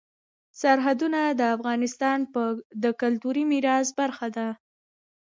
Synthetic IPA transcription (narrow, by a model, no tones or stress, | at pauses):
saɾɦad̪unad̪əafɣɑnɪst̪ɑnpəd̪əkʊlt̪uɾimiɾɑzbaɾxad̪a